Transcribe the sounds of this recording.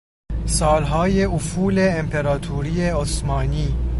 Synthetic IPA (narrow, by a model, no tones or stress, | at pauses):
sɒːlɦɒːje̞ufuːleːmpʰeɾɒːt̪ʰuːɾiːeosmɒːniː